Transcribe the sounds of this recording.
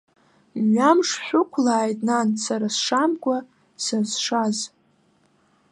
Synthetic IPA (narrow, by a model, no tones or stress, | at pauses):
ɥamʂħʷᶣʊkʷʰlaːjtʼnansaɾasʂamɡʷʼa | sazʂaz